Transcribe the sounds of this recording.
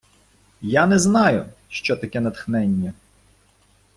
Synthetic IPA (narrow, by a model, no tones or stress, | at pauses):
janɛznɑjʊʃt͡ʃɔt̪ɐkɛnɐt̪xnɛnʲːɐ